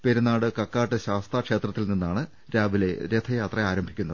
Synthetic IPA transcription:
peɾunaːɽɨkɐkːaːʈːɨɕaːst̪akʂe̞ːt̪rɐt̪ːilninːaːɳɨ | ɾaːʋile̞ɾet̪ʰɐjaːt̪rɐaːɾɐmbʱikʲːunːɐðɨ

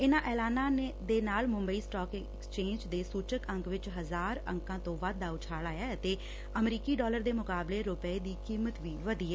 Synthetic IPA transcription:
ɪnãːʔɛːlaːnãːed̪eːnaːlmʊ̃mbəiːsʈɔːk | kst͡ʃẽːnd͡ʒd̪eːsuːt͡ʃəkəŋkʋɪt͡ʃɦəzaːɾə̰̃ŋkãːt̪õːʋad̪ːaːʊt͡ʃʰaːlaːjaːət̪eː | əmɾiːkiːɖɔːləɾd̪eːmʊkaːbleːɾʊpɛeːd̪iːkiːmət̪ʋiːʋəd̪iːɛː

